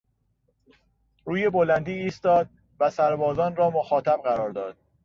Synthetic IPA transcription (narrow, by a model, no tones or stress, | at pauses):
ɾuːje̞bolænd̪iːiːst̪ɒːd̪̚ | væsæɾbɒːzɒːnrɒːmoxɒːt̪ʰæb̚ɢæɾɒːɾd̪ɒ̰ːd̪̥̚